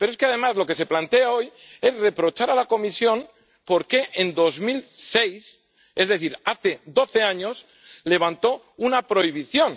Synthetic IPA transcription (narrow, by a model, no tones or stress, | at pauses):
pe̞ɾoeske̞aðe̞mazlo̞ke̞se̞plant̪e̞ao̞j | e̞zre̞pɾo̞t͡ʃaɾalako̞misjo̞n | po̞ɾke̞ʔend̪o̞zmilse̞js | e̞zðeθiɾaθe̞d̪o̞θe̞aɲo̞s | le̞β̞ant̪o̞ | unapɾo̞iβ̞iθjo̞n